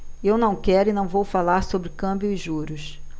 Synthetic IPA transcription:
ewnɐ̃w̃kɛɾʊɪnɐ̃w̃vowfalaɾsobɾɪkɐ̃mbjʊɪʒuɾʊs

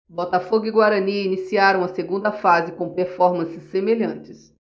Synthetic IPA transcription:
bɔt̪afoɡʊiɡwaɾɐ̃niinisiaɾɐ̃w̃ɐseɡũnd̪ɐfazɪkõpeɾfɔɾmɐ̃sɪsːemeʎɐ̃t͡ʃɪs

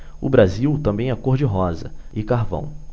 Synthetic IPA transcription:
ʊ̰bɾaziwt̪ɐ̃mbẽj̃ɛkoɾd͡ʒɪɦɔzɐ̰ɪkaɾvɐ̰̃w̃

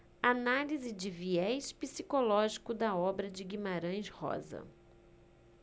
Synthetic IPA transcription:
analizɪd͡ʒɪviɛjspisikolɔʒikʊd̪ɐɔbɾɐd͡ʒɪɡimaɾɐ̃j̃shɔ̰zɐ̰

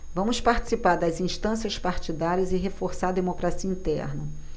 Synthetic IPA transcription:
vɐ̃mʊspaɾt͡ʃi̥sipaɾd̪ɐzĩʃt̪ɐ̃siɐspaɾt͡ʃid̪aɾiɐzɪɦefoɾsaɾɐd̪emokɾasiɐĩt̪ɛ̰ɾnɐ

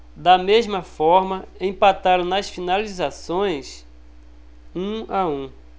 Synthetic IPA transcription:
d̪ɐmezmɐfɔɾmɐẽpat̪aɾɐ̃nɐsfinalizasõj̃s | ũaũ

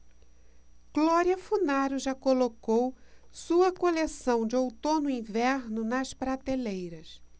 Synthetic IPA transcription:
ɡ̥lɔɾiɐfunaɾʊʒakolokowsuɐkolesɐ̃w̃d͡ʒɪowt̪onʊĩvɛɾnʊnɐspɾat̪elejɾɐs

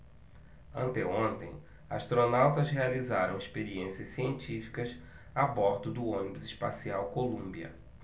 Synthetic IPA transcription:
ɐ̃nt̪ɛõnt̪ẽj̃ | a̰ʃt̪ɾonawt̪ɐzɦealizaɾɐ̃w̃espeɾiẽsiɐssiẽnt͡ʃifi̥kɐz | abɔɾt̪ʊd̪ʊõnibuzɪʃpasiawkolũmbiɐ̰

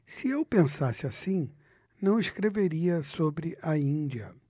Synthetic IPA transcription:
sɪewpẽsasɪasĩ | nɐ̃w̃ɪskɾeveɾiɐsobɾɪʔɐĩnd͡ʒiɐ

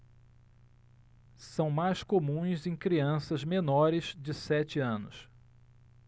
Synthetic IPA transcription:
sɐ̃w̃majskomũzẽj̃kɾiɐ̃sɐzmẽnɔɾɪz̥d͡ʒɪsɛt͡ʃɪɐ̃nʊ̰s

